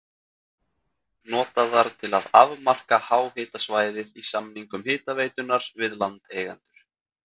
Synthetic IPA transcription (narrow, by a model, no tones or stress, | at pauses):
nɔːt̪aðaɾ̥t̪ʰɪlaðavmar̥kahaːwhɪːt̪asvaːjðɪðisamniŋkʏmhɪːt̪aveːjt̪ʏnːaɾvɪðlant̪eːjɣa̰nt̪ʏɾ̥